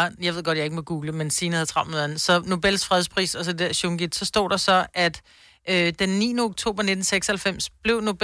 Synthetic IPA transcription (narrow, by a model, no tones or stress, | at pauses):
jɑ̈ɪʋe̝ð̞ˠɡ̥ɒ̽d̥jɑ̈e̝ɡ̥moɡ̥uːɡ̥ləmensiːnəhæð̩ˠt͡sʰʁɑ̈ʊ̰meðˠænsɒ̽no̝b̥el̰sfʁɛð̞ˠspʰʁḭːsɒ̽sɒd̥e̝d̥æɐɕoŋɡ̥id̥sɒ̽sd̥ɔ̰ːd̥ɑ̈sɒ̽ʔæd̥ | d̥enːḭːnəoɡ̥t͡sʰo̝̰ːb̥ɐne̝d̥n̩seɡ̥sɐhælfem̰sb̥le̝ʊno̝b̥